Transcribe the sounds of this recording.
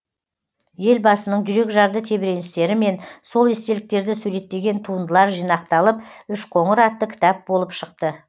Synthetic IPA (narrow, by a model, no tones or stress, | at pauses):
je̞lbɑsənəɴʒʏɾe̞kʒɑɾd̪ət̪ʰe̞bɪɾe̞nɪst̪e̞ɾɪme̞nso̞lˠest̪e̞lɪk̚t̪e̞ɾd̪ɪsʉɾe̞t̪ːe̞ɡʲe̞nt̪ʰuənd̪əlˠɑɾʒijnɑq̚t̪ɑlˠəpʏʃqʰo̞ɴəɾɑt̪ːəkʲʰɪ̥t̪ɑp̚bo̞lˠəpʃəq̚t̪ə